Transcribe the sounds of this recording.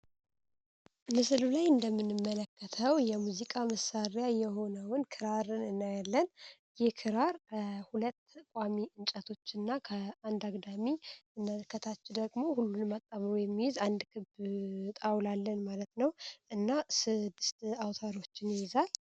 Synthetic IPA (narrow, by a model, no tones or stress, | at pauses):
mɨsɨlulajɨnd̪əmːɨnɨmːələkːət̪ʰəwjɛmuzikʼaməsaɾjajɛho̞nəwʊnkʰɨɾaɾɨnɨnːajalːən | jɪhkʰɨɾaɾkʰəhulət̪ːkʼamiʔɨnt͡ʃʼət̪ʰo̞t͡ʃːɨnːakʰəand̪aɡd̪amiɨnːalkʰːət̪ʰat͡ʃːɪd̪əɡmo̞hulːunmat̪ʼːaβɾojɛmːihɪzand̪kʰɨbt̪ʼawlalːənmalət̪nəwʔɨnːasɨd̪ːɨst̪awt̪ʰaɾo̞t͡ʃːɪnjɪjɪzal